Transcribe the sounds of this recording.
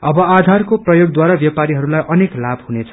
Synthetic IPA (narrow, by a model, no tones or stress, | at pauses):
ʌbʌad̪ʱarkoprʌjoɡd̪waɾabjʌpaɾiɦʌɾulajʔʌneklabʱhunet͡sʰʌ̥